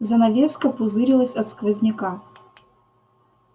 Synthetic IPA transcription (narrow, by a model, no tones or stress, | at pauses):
zɐnɐvʲeskəpʊzɨɾʲɪlˠəsʲɐt̪skvəzʲnʲɪka